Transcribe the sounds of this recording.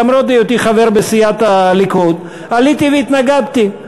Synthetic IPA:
amɾot̪ejot̪iχaveʁbesijat̪alikud̪ | alit̪iveit̪naɡabt̪i

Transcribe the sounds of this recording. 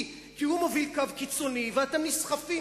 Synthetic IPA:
kihumovilkavkit͡soniveat̪amnisχafi

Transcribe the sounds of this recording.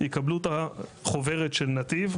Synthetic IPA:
jikablut̪aχo̞ve̞ʁetʃelnat̪iv

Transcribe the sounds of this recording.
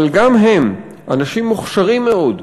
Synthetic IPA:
lɡamɦem | ʔanaʃimːuχʃaʁimːeo̞d

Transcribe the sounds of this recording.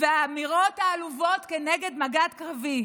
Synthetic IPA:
veaːmiʁotaːluvo̞tkeneɡe̞dmaɡat̪kʁavi

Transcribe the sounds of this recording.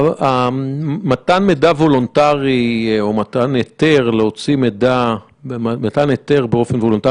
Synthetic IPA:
a | matanmedavo̞lontaʁiomataneteʁleo̞t͡simeda | matanete̞ʁbeo̞fenvolonta

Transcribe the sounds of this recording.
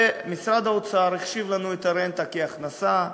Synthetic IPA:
misɾad̪aot͡saaɾeχʃivlanuet̪aɾent̪akeaχnasa

